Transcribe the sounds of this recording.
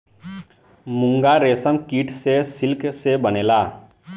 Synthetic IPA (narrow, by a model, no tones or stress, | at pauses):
mʊ̃ŋɡaɾeːsəmkiːʈsesɪlksebəneːlaː